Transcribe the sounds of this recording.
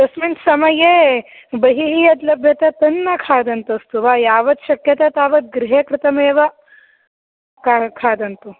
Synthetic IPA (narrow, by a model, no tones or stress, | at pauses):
d̪ɐsmint̪sɐmɐjeː | bɐɦiɦijɐd̪lɐbʱjɐt̪ɐt̪ɐnːɐkʰaːd̪ɐnt̪ɐst̪uʋajaːʋɐd̪ʃɐkjɐt̪ɐt̪aːʋɐd̪̚ɡɾɪɦekɾɪt̪ɐmeːʋɐ | kakʰaːd̪ɐnt̪u